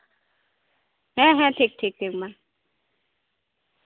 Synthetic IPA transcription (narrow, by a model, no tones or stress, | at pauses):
ɦɛ̃ɦɛ̃ʈʰiːk̚ʈʰik̚ʈʰik̚man